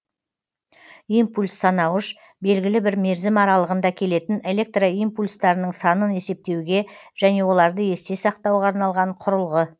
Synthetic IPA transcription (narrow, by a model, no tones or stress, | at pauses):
impulʲsːɑnɑwəʃ | be̞lɡʲɪlɪbɪɾme̞ɾzɪmɑɾɑlˠəʁənd̪ɑkʲʰe̞le̞t̪ɪne̞le̞k̚t̪roijmpulʲst̪ɑɾənəɴsɑnəne̞se̞p̚t̪e̞wɡʲe̞ʒ̥æne̞wo̞lˠɑɾd̪əe̞st̪e̞sɑq̚t̪ɑwʁɑːɾnɑlˠʁɑɴqʰʊɾəlˠʁə